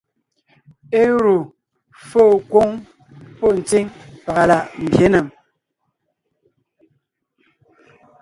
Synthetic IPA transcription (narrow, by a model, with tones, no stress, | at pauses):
e˦ɾu˨ | fo˦˨kwo˦ŋ | pɔ˦˨n̩˨t͡si˦ŋpa˨ɣa˨la˨ʔm̩˨bje˨˦na˨m